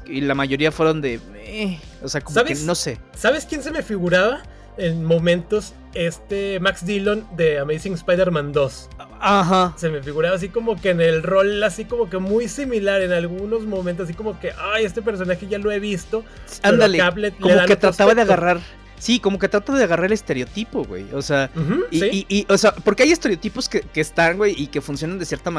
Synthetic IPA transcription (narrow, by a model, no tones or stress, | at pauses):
ilamaʝo̞ɾiafweɾo̞nd̪e | e | oseakomːsaβeesno̞sesaβe̞skjens̬e̞me̞fiɣuɾaβa | e̞nmõ̞mẽ̞nt̪o̞s | e̞st̪emaksd̪ilo̞nd̪e̞ameɾisiŋespajðeɾmãnd̪o̞saxase̞me̞fiɣuɾaβas̬iko̞mo̞ke̞ːne̞lro̞lasiko̞mo̞ke̞mujsimilaɾe̞nalɣuno̞zmoment̪osasi̥ko̞mo̞ke̞ʔaje̞st̪ep̬e̞ɾs̬o̞naxeʝalo̞e̞βist̪o̞and̪aleaβlet̪lkoeoðaket̪ɾaaβaðeaɣaraɾ | siko̞mo̞k̬e̞t̪ɾat̪aðe̞aɣaraɾele̞st̪e̞ɾeo̞t̪ipo̞ɣwḛjoseax̩iiiʔiʔoseapo̞ɾkeaje̞st̪e̞ɾeot̪ipo̞skekeːst̪aŋɡwe̞jikefunsjo̞nand̪esje̞ɾt̪ama